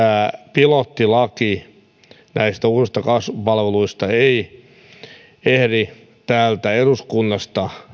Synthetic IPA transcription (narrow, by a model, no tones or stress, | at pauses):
æːpilot̪ːilɑki | næist̪æuːsist̪ɑkɑsʋupɑlʋeluist̪ɑei | ehri | t̪æːlt̪æeruskunːɑst̪ɑ